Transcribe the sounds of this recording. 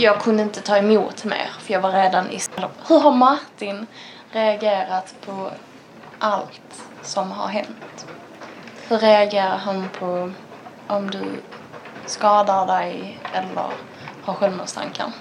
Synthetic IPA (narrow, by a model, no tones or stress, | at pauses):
jɑːɡ̚kʰɵnd̪əɪnt̪ət̪ʰɑːɛmuːt̪mḛːɾfœɾjɑːɡvaɾeːd̪anʔɪ̰ɛlːɔhɵɾɦaɾmaɾt̪ɪn | ɾɛaɡeːɾat̪pʰɔ | ʔalt̪ | sɔmɦa̰ɾɦɛnt̪ | hɵɾɛaɡeːɾaɾɦanpʰɔ | ʔɔmd̪ɵ̰ | skɑːd̪aɖɛjɛlːə̰ɾ | haɾɧɛlmʊːst̪ʰa̰ŋkʰa̰n